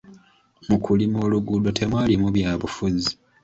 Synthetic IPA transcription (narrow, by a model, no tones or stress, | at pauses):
mukʰulimoːluɡuːdo̞tʰe̞mwaːlimuβjaːβufuzi